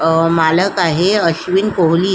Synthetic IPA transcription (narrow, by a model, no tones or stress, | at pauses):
maːləkaɦeəʃʋinkoɦli